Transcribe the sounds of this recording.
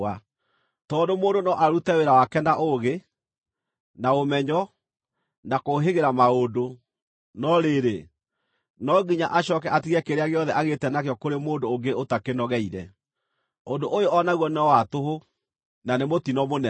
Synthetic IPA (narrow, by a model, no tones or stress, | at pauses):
a | tɔːndomoːndonɔʔaɾutɛweɾawakɛnaʔoɣe | naomɛɲɔ | nakoɦeɣeɾamaodo | nɔɾeːɾe | nɔɡiɲa̰ʔaɕɔkɛʔatiɣɛkeɾeaɣeɔðɛʔaɣetɛnakjɔkoɾemoːndoːŋɡeotakenɔɣɛiɾɛ | ondoʔojoɔnaɣwɔneɔwatoɦo | nanemotinɔmonɛ